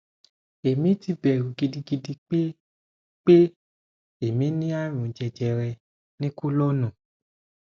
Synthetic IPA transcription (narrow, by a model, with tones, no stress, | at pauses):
e˨mĩ˨˦ti˦bɛ˨ɾu˨ɡi˧di˦ɡi˧di˧k͡pe˦ | k͡pe˦ | e˨mĩ˨˦nĩ˦a˦ɾ̃ũ˨d͡ʒɛ˧d͡ʒɛ˧ɾɛ˧ | nĩ˦ko˦lɔ˦nũ˨